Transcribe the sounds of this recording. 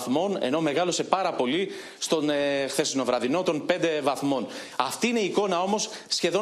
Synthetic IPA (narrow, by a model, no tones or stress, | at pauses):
θmo̞ne̞̰no̞me̞ɣɐlo̞se̞pɐɾɐpo̞li | st̪o̞nexθe̞sino̞vɾɐðino̞t̪o̞npe̞nd̪e̞vɐθmo̞n | ɐft̪iine̞iːko̞nɐo̞mo̞sːçe̞ðo̞